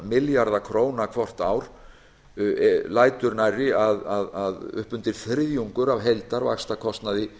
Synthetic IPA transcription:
mɪljaɾðakʰɾoːwnakʰvɔr̥t̪aːwɾ̥ | laːjt̪ʏɾnajrɪaðaðaðʏ̰hpʏnt̪ɪɾ̥θɾɪðjuŋkʏɾavɦejlt̪aɾva̰kst̪akʰɔst̪naðɪ

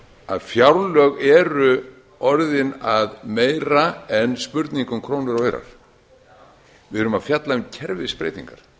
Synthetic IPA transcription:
aðfjawɾlœɣɛɾʏ | ɔɾðɪnaðmeːjɾaɛnspʏɾt̪niŋkʏmkʰɾoːwnʏɾœːɥɾa̰ɾ̥ | vɪðʏɾʏmaðfjat̪laɪcʰɛɾvɪspɾḛjt̪ḭŋkaɾ̥

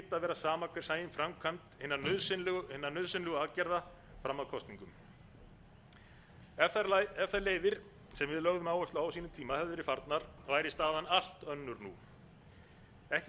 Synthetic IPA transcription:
t̪ːaðvɛːɾasaːmakʰvɛɾ̥saːjɪmfɾamkʰant̪hɪnːanðslhɪnːanœðsʏnlɛɣʏaːcɛɾða | fɾamːakʰɔst̪niŋkʏm | ɛaɾɛfðaɾleːjvɪɾ̥ | sɛmvɪðlœɣðʏmaːwœst̪laawsiːnʏmt̪ʰiːmahɛvðʏɾɪfaɾt̪naɾvaːjɾɪst̪aːðanal̥t̪œnːʏɾnṵ | ɛhcɪ

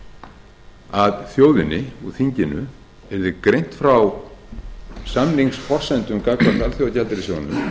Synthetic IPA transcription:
aðθjoːwðɪnɪɔɣθiɲcɪnʏ | ɛɾðɪkɾejn̥t̪fɾaw | samniŋksfɔr̥sɛnt̪ʏmkaklḁθalθjowðacalt̪ɪɾɪsjoːwðɪnʏm

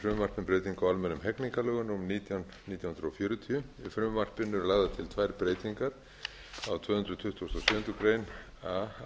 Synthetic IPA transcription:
fɾʏmmar̥pnɪnpɾeːjt̪iŋkawalmɛnːʏmɦɛkniŋkalœːɣʏnumniːt̪jawnniːt̪jawhʏnɾɔfjœːɾʏt̪ʰiʏɪfɾʏmmar̥pɪnːʏɾlaːɣðat̪ʰɪlt̪ʰvajɾpɾeːjt̪iŋkaɾ̥ | awt̪ʰvœːhʏnd̪ɾʏt̪ʰʏht̪ʰust̪ɔsʏːhʏnt̪ɾʏkɾeːjn | a

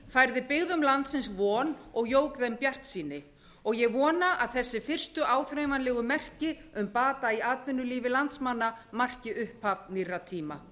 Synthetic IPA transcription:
fajɾðɪpɪɣðʏmlant̪sɪnsvɔːnɔɣjoːwkðɛmpjar̥t̪siːnɪ | ɔɣjɛɣvɔːnaʔaðθɛsːɪfɪr̥st̪ʏʔaːwθɾeːjmanlɛːɣʏmɛr̥cɪʏmpaːt̪aiaːt̪vɪnːʏliːvɪlant̪smanːamar̥cɪʔʏhphavnirːat̪ʰiːma

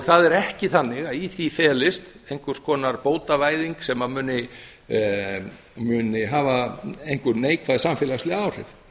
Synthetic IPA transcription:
ɣθaðɛɾɛhcɪθanːɪɣaðiθifɛːlɪst̪ejŋkvʏɾ̥skʰɔːnaɾpoːwt̪avaːjðiŋksɛmaðmʏːnɪ | mʏːnɪɦaːvaejŋ̥kʏneːjkʰvaðsamfɪːlaslɪaːwr̥ɪ̰v

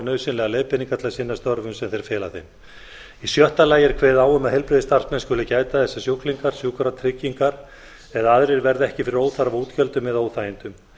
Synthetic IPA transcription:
nœːɥsɪnlɛɣalɛːðpɪniŋkat̪ʰlasɪnːast̪œɾvʏmsɛmθejɾ̥fɛːla̰θejm | isjœht̪alaːjɪɾ̥kʰvɛːðaːwʏmaðhɛlpɾɪðɪst̪ar̥smɛnskʏlɪcaːjt̪aθɛsːasjowkliŋkaɾ̥sjowkaɾat̪ʰɾɪcːiŋkaɾ | ɛðaaðɾɪɾvɛɾðɛhcɪfɪɾɪɾoːwθaɾavoːt̪çœlt̪ʏmɛðoːwθajɪnt̪ʏm

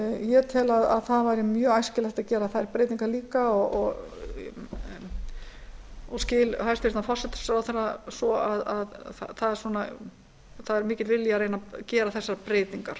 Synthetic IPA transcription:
jɛt̪ʰɛːlaða̰ðθaðvajɾɪmjœːaːjscɪlaxt̪acɛːɾaθaðɛɾpɾejt̪iŋkaɾliːkaɔɔɣ | ɔscɪːlhajst̪fɪɾt̪nafɔr̥sɛt̪ḁsɾawθɛɾasɔaðaðθaðɛɾsuːna | θaðɛɾmɪːcɪt̪vɪljaɾeːjnacɛːɾaθɛsːaɾpɾeːjt̪iŋkaɾ̥

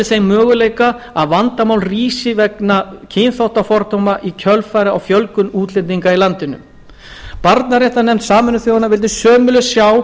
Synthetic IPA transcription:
ɪsejmœːɣʏleːjkaaðvant̪amaːwlriːsɪvɛknacʰɪnθawht̪afɔɾt̪ʰomaʔicʰœlfaːjɾɪawfjœlkʏnuːt̪lɪnt̪̬iŋkailant̪ɪnʏ̰m | paɾt̪naɾeht̪anɛmt̪saːmʏnʏθjowðanavɪlt̪̬ɪsœːmʏlʏsjaw

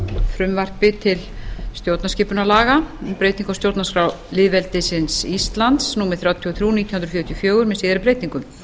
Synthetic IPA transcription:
fɾʏmvar̥pɪt̪ʰɪlst̪jowt̪nascɪːpʏnalaːɣapɾejt̪niŋkɔwst̪jowt̪naskɾaw | lɪðvɛlt̪ɪsɪnsist̪lant̪snuːmɪθɾjawt̪ʰiθɾjuːnit̪jhʏnɾfjœːɾt̪ʰjɔfjœːɣʏɾmɛðsiːðɪɾɪpɾeːjt̪niŋkʏm

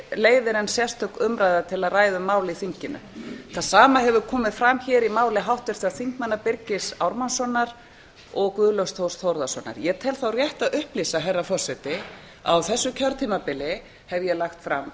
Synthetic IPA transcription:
leːjðɪɾɛnsjɛst̪œkʏmɾajðat̪ʰɪlaðraːjðʏmːaːwlɪiθiɲcɪnʏ̰θaðsaːmaɦɛvʏkʰɔːmɪðfɾamçɛːɾimaːwlɪɦawht̪vɪɾ̥t̪ʰɪaðθiŋ̥kmanːapɪɾcɪsa̰wɾmansɔnːaɾ | ɔɣkvʏːðlowst̪ʰowst̪howɾðasɔ̰na̰ɾjɛt̪ʰɪlθawrjɛht̪aðʏhplisaɦɛrːafɔsɛt̪ɪ | a̰wθɛsːʏcʰœɾt̪ʰiːmapɪlɪ | hɛvjɛlaxt̪fɾa̰m

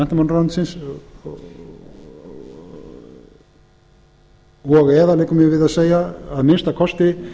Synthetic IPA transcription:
ɛn̥t̪amanɾant̪sɪns | ɔɣɛːðalɛːjkʏmjɛvɪðaðseːjaːðmɪnst̪akʰɔst̪ɪ

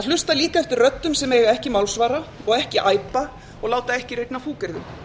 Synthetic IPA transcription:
aðlʏst̪aliːkaɛft̪ɪrrœt̪ːʏmsɛmɛɣaɛhcɪmawlsvaːɾaɔɣɛhcɪʔaːjpa | ɔɣlaːwt̪aɛhcɪrejt̪nafuːkɪɾðʏ

